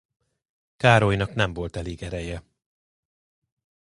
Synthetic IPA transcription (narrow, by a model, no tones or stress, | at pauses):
kaːɾojnɒknɛɱvo̞lt̪ɛleːɡɛɾɛjɛ